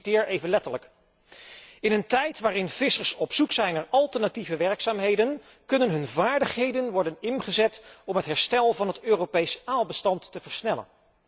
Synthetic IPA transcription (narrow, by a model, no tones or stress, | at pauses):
tɪːɹejvənlɛtələk | ɪnəntɛjtʋaːrɪnv̥ɪsəɹsɔpsuksɛjnaːɹɑlˠtəɹnativəʋɛɹksaːmɦejdən | kɵnənɦɵnvaːɹdəχɦejdənʋɔɹdənɪnχəzɛtɔmɦətɦɛɹstɛlˠvɑnɦətøːropejsaːlˠbəstɑntːəvəɹsnɛlə̰n